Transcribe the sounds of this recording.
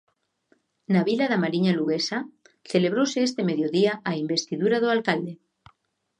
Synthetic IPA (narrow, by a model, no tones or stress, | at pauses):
naβilaðamaɾiɲaluɣesa | θe̞le̞β̞ɾoseest̪e̞me̞ðjoðiaʔaimbe̞st̪iðuɾað̞oalkald̪e̞